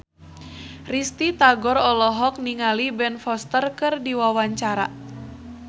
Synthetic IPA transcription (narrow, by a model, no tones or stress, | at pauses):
rist̪it̪aɡɔɾɔlɔɦɔk̚niŋalibɛnfɔst̪ərkɨrdiwawaɲt͡ʃaɾa̰